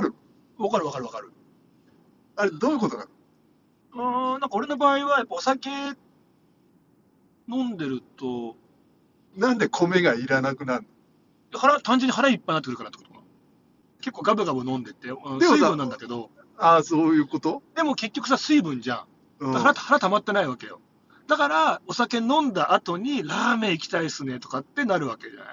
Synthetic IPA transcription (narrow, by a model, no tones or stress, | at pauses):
ɾɯ̟ | βakaɾɯ̟βakaɾɯβakaɾɯ̟ | aɾed̪oːjɯ̟ko̞t̪oɡa̰ɾɯ | ɯ̃ːnãŋkao̞ɾe̞no̞baːiβajapːao̞sake̞ | nõ̞nd̪e̞ɾɯ̟t̪o̞ | nãnd̪e̞kʰome̞ɡaiɾanakɯ̟naɯno | jehaɾat̪ãɲ̟d͡ʑeɲːiɦaɾaipːainat̪ekɯɾkanat̪ːe̥ko̥t̪o̥ka | ke̞kːo̞ːɡabɯ̟ɡabɯ̟nõ̞nd̪e̞t̪ːe̞ɯ̃esɨibbɯ̟nːãnd̪ake̞d̪o̞ | asoːjɯ̟ːkot̪od̪e̞mo̞ke̞kʲːo̞kɯ̟sasɨibɯ̟̃ɲd͡ʑã̰ | ɯ̥aaɾat̪haɾat̪amat̪ːe̞naiβake̞jo̰ | d̪̥akaɾao̞sake̞nõ̞nd̪aʔat̪o̞ɲ̟iɾaːme̞ikʲi̥t̪aisɨne̞t̪o̞kat̪ːe̞naɾɯ̟βake̞d͡ʑa̰na̰i